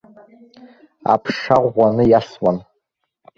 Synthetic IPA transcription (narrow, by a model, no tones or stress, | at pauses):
a̰pʰʂaʁʷanɨjaswan